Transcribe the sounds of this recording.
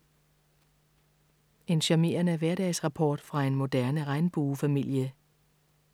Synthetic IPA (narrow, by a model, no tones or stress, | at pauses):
e̝nɕɑme̝̰ːɐnəæʋæɐɾ̥ɛ̰ːsʁɑ̈pʰɒ̰ːd̥fʁɑ̈e̝nmo̝d̥æɐnəʁɑ̈ɪnb̥uːfæmil̰jə